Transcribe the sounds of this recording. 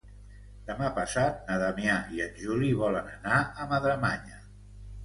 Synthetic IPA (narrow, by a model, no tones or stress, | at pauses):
d̪̥əmapəsat̪̚nəðamjaiənʲʒuliβ̞ɔlənənaəməðɾəma̰ɲə